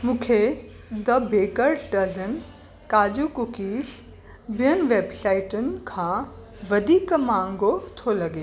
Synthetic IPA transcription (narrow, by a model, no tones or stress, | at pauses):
mũːkʰe | d̪ɐbʱeːkəɾsɖɐzən | kaːd͡ʑukʊkiːʃ | bɪjənʋeːbsaːɪʈʊnɪ̆kʰãː | ʋɐd̪ʱiːkmãːŋɡot̪ʰolɐɡeː